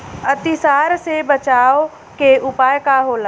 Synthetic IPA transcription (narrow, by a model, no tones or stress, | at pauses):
ət̪ɪsaːɾsebət͡ʃaːo | keʔʊpaːjkaɦoːla